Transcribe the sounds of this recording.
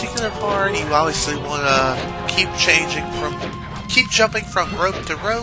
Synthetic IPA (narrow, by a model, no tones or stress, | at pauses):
ɪkjl̩ˠə˞pʰɑɹɾjɨɑbviɨsliwɑ̃nə | kʰip̚t͡ʃʰẽɪ̃nd͡ʒɪ̃ŋfɹʌ̃m | kʰip̚d̥ʒ̥ʌ̃mpɪ̃ŋfɹʌ̃mɹoʊp̚tʰɨɹoʊ